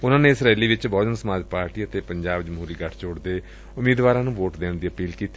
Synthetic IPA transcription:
ʊnãːneːɪsɾaiːliːʋɪt͡ʃbɔːd͡ʒənsəmaːd͡ʒpaːɾʈiːət̪eːpəɲd͡ʒaːbd͡ʒəmɦuːɾiːɡəʈʰt͡ʃoːɽd̪eː | ʊmiːd̪ʋaːɾãːnũːʋoːʈd̪eːnd̪iːəpiːlkiːt̪i

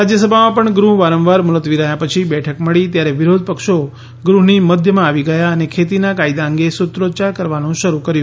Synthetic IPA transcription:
ɾad͡ʒjəsəbʱamãpəɳɡɾuɦʋaɾə̃ʋʋaɾmʊlət̪ʋiɾəɦjapət͡ʃʰibɛʈʰəkməɭit̪jaɾeʋɪɾod̪̚ʱpəkʃo | ɡɾuɦniməd̪ʱjəmãːʋiɡəjaənekʰet̪inakaid̪aə̃ŋɡesʊt̪ɾot͡ʃaɾkəɾʋanũʃəɾukəɾjũ

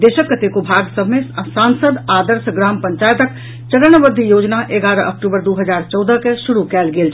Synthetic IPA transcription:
d̪esəkːət̪ekobʱaɡsəbʱmesansəd̪ad̪əɾsɡɾaːmpəɲt͡ʃajt̪ək | t͡ʃəɾənbəd̪ʱːijod͡ʒnaʔeɡaɾəʔək̚ʈubəɾd̪uɦəd͡ʒaɾt͡ʃɔwd̪əkesuɾukɛːlɡelt͡ʃʰ

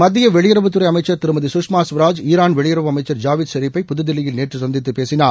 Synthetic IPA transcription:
mɐd̪ːɪjɐʋɛɭɪjɪɾɐʋɯt̪ːɯɾɐɪɐmɐɪt͡ʃːɐɾt̪ɪɾɯmɐðisʊʂmaːsʋɐɾaːd͡ʒiːɾaːnʋɛɭɪjɪɾɐʋɯɐmɐɪt͡ʃːɐɾd͡ʒaːʋɪd̪sɐɾipːɐɪpʊðɯðɪlɪjɪlneːʈrɯsɐnd̪ɪt̪ːɯpeːsɪnaː

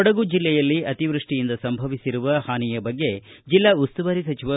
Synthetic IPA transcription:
ɔɽɐɡud͡ʒilːɛjɐlːiʔɐt̪iʋɾuʂʈijind̪ɐsɐmbʱɐʋisiɾuʋɐhaːnijɐbɐɡːe̞d͡ʒilːɐust̪uʋɐɾisɐt͡ʃiʋɐ

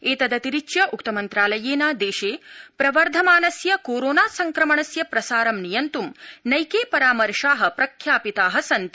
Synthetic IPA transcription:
eːt̪ɐd̪ɐt̪iɾit͡ʃjɐʔukt̪ɐmɐnt̪ɾaːlɐjeːnaːd̪eːʃeːpɾɐʋɐɾd̪ʱɐmaːnɐsjɐkoːɾoːnaːsɐŋkɾɐmɐɳɐsjɐpɾɐsaːɾɐmnijɐnt̪umnɐjkeːpɐɾaːmɐɾʂaːɦɐ̆pɾɐkʰjaːpit̪aːɦɐsɐnt̪i

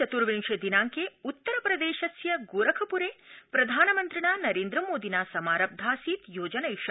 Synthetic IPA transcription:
ɐt̪uɾʋiŋʂʃed̪inaːŋkeːut̪ːɐɾɐpɾɐd̪eːʃɐsjɐɡuːɾɐkʰɐpuɾeːpɾɐd̪ʱaːnɐmɐnt̪ɾiɳaːnɐɾeːnd̪ɾɐmoːd̪inaːsɐmaːɾɐb̚d̪ʱaːsiːt̪joːd͡ʒɐnɐjʃɐ

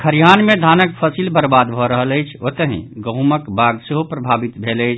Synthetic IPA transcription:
kʰəɾijaːnmẽd̪ʱaːnək̚pʰəsilbəɾbaːd̪bʱoɾəɦələjt͡ʃʰot̪əɦḛ̃ɡə̃ɦuməkbʱaːɡseɦopɾɐbʱaːbit̪bʱeːləjt͡ʃʰ

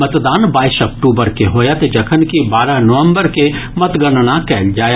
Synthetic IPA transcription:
mət̪d̪aːnbaːɪsɔk̚ʈuːbəɾkeɦoːjat̪ed͡ʒɐkʰənkibaːɾaɦnoʋə̃mbəɾkemət̪ɡəɳɽakɛːld͡ʒaːj

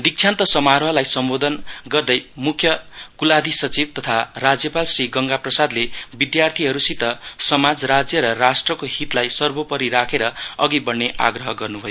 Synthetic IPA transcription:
d̪ik̚t͡sʰjant̪ʌsʌmaɾɦʌlajsʌmbod̪ʌnɡʌrd̪ʌjmukʰːjʌɡ̥ulad̪ʱisʌt͡sibt̪ʌt̪ʰarad͡zjʌpalsriɡʌŋɡaprʌsad̪lebid̪jart̪ʰiɦʌɾusit̪ʌsʌmad͡zɾad͡zjʌɾʌrasʈrʌkoɦit̪lajsʌrbopʌɾiɾakʰeɾʌʌɡibʌnnːeʔa̰ɡrʌɦʌɡʌrnubʱʌjo

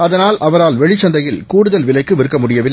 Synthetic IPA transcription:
ɐðɐnaːlʔɐʋɐɾaːlʋɛɻɪt͡ʃːɐnd̪ɐjɪlkuːɽɯðɐlʋɪlɐɪkːɯʋɪɾɯkːɐmʊɽɪjɐʋɪlːɪ

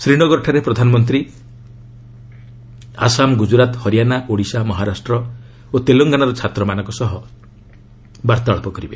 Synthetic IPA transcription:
sɾiɽ̃ɔɡɔɾɔʈʰaɾepɾɔd̪ʱanɔmɔnt̪ɾi | a̰samɡud͡ʒuɾat̪hɔɾijanaʔoɽisamɔɦaɾasʈɾɔ | ot̪eloŋɡanaɾɔt͡ʃʰat̪ɾɔmanɔ̃ŋkɔsɔɦɔ | baɾt̪aɭɔpɔkɔɾibe

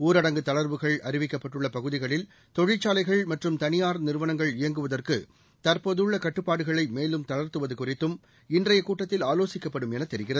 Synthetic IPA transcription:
uːɾɐɽɐŋɡɯt̪ɐɭɐɾʋɯɣɐɭɐɾɪʋɪkːɐpːɐʈːɯɭːɐpɐɣɯðɪɣɐɭɪl | t̪ɔɻɪt͡ʃːaːlɐɪɣɐɭmɐʈrɯmt̪ɐnɪjaːɾnɪɾɯʋɐnɐŋɡɐɭɪjɐŋɡɯʋɐðɐrkɯ | t̪ɐɾpoːðɯɭːɐkɐʈːɯpːaːɽɯɣɐɭɐɪmeːlɯmt̪ɐɻɐɾt̪ɯʋɐðɯkʊrɪt̪ːɯm | ɪndrɐjɐkuːʈːɐt̪ːɪlaːloːsɪkːɐpːɐɽɯmɛnɐt̪ːɛɾɪɣɪrɐðɯ

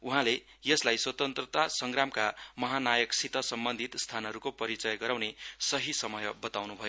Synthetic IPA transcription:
uɦãle | jʌslajswʌt̪ʌnt̪rʌt̪asʌŋɡramkamʌɦanajʌksit̪ʌsʌmbʌnd̪ʱit̪st̪ʰanʌɾukopʌɾit͡sʌjɡʌɾawnesʌɦisʌmʌjbʌt̪awnubʱʌjo

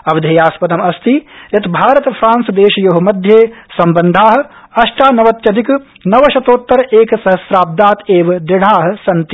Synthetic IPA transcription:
ɐʋɐd̪ʱɐjaːspɐt̪ɐmɐst̪ijɐt̪bʱaːɾɐt̪ɐpʰɾaːnsɐd̪eːʃɐjɐɦumɐd̪ʱjeːsɐmbɐnd̪ʱaːɦɐ̆ | ɐʃʈaːnɐʋɐt̪jɐt̪ik | nɐʋɐʃɐt̪oːt̪ːɐɾɐʔeːkɐsɐɦɐsɾaːb̚d̪aːt̪eːʋɐd̪ɾɪɽ̤aːɦɐ̆sɐnt̪i̥

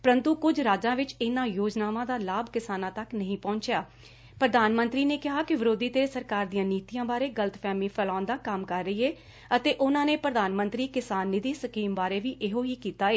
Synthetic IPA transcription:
pəɾənt̪uːkʊd͡ʒɾaːd͡ʒãːʋɪt͡ʃɪnãːjoːd͡ʒnaːʋãːd̪aːlaːbkɪsaːnãːt̪əknəɦĩːpɔ̃ːɲt͡ʃjaː | pɾəd̪aːnmənt̪ɾiːneːkɪɦaːkɪʋɪɾoːd̪iːt̪eːsəɾkaːɾd̪ijãːniːt̪ijãːbaːɾeːɡələt̪pʰɛːmiːpʰəlãːnd̪aːkəmkəɾːəiːeː | ət̪eːʔʊnãːneːpɾəd̪aːnmənt̪ɾiːkɪsaːnːɪd̪iːsəkiːmbaːɾeːʋiːʔɪɦõːiːkiːt̪aːeː

